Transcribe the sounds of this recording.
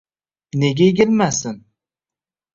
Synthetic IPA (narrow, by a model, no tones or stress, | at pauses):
ne̞ɡʲajeɡʲɪlmasɪn